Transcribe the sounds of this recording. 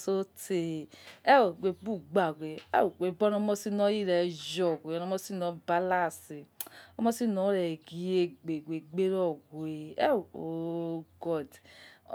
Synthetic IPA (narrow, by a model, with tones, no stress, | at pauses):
so˦te˨ɛ˦wo˨ɡʷe˨bu˦˨ɡ͡ba˨ɡʷe˨ɛ̰˦wɡe˨bɔ˦nɔ˦mɔ˦si˦nɔ̃˦i˦˨ɾɛ˨d͡ʒɔ˨ɡʷo˨nɔ˦mɔ˦si˦nɔ̃˨˦ba˦la˦˨si˨ɔ˦mɔ˦si˦nɔ̃˨˦ɾɛ˨ɡi˨je˦ɡ͡be˨ɡʷe˨ɡ͡be˦ɾɔ˦˨ɡe˨ɛ˦˨o˦˨ɡɔ˦˨d